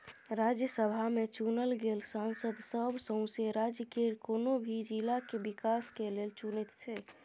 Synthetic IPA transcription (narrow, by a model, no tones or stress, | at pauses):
ɾad͡ʒjəsəbʱamet͡ʃunəlɡelsansəd̪səbʱsə̃seɾad͡ʒjəkeɾkonobʱid͡ʒilakebikaskelelt͡ʃunet̪t͡ʃʰɛ